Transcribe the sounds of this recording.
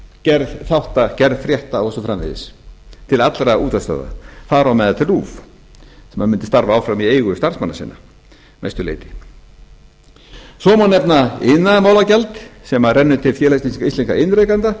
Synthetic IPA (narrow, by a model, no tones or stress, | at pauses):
cɛɾðθawht̪acɛɾð̥fɾjɛht̪awɔsɔfɾamvɪ̰ðɪ̰st̪ʰɪlat̪lɾauːt̪ast̪a̰ːða̰θaðɾawmɛːðat̪ʰɪluːf | sɛmhaðmɪnt̪ɪst̪aɾvaawfɾamieːjɣʏst̪ar̥smanːasɪ̰nːa | ma̰jst̪ʏlḛːjt̪ɪ̥ | sɔːmanːɛpnaɪnːaðmaːwlacɛlt̪sɛmarɛnːʏt̪ʰɪlfjɛːlajsisikaijst̪iŋkaɪnɾejkant̪a